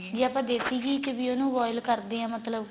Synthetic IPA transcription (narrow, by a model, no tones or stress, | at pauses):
d͡ʒiaːpãːd̪eːsiːɡiːt͡ʃəʋiːonũːʋɔːɪlkəɾd̪eːãːmət̪ləb